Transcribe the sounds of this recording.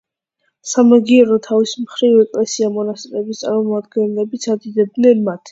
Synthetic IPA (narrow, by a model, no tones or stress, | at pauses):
samaɡiɛɾɔt̪ʰavismχɾivɛkʼlɛsiamɔnast̪ʼɾɛbist̪sʼaɾmɔmad̪ɡɛnlɛbit̪sʰad̪id̪ɛb̚d̪nɛnmat̪ʰ